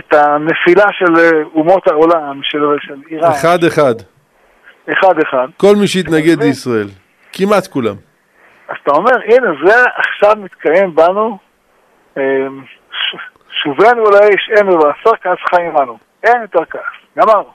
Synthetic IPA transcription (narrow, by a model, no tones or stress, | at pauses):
et̪anefilaʃelumo̞t̪haolamʃelʃeliʁaeχad̪eχad̪ | eχad̪eχad̪ko̞lmiʃeit̪naɡed̪leisʁael | kimat̪kula̰m | azat̪aome̞ʁʔinezeaʔaχʃavmit̪kajembanu | em | ʃ | ʃuvenuulajʃenuvaasaʁkaasχajimanu | enjot̪eʁkaasɡamaʁnu